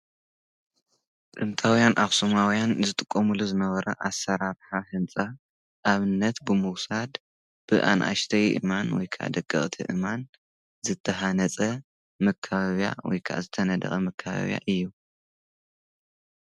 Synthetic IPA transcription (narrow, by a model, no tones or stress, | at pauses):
d̪ʼɨmt̪ʰawjanʔaβsumawjanzɨt̪ʼɨkʼːomuluzɨnɐβɐɾɐ̰ʔasːɐɾaɾħahɨnt͡sʼa | ʔːβɨnːɐt̪bɨmɨwsad̪ | b̥ɨʔa̰nʔa̰ʃt̪ʰɐjʔɨ̰manwɔjkʰaʔa̰d̪ɐkʼːɨχʼt̪ʰiʔɨman | zɨt̪ʰːɐɦanɐt͡sʼɐ | mɐkʰːaβaβja̰wɔ̰jkʰaʔa̰zɨt̪ʰɐnɐd̪ɐ̰χʼɐmɐkʰːaβa̰βja̰ʔɨjːu